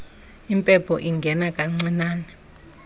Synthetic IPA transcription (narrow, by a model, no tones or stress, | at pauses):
impʼɛpʰɔʔiŋɡʱɛnakʼaŋ͡ǀinaːnɛ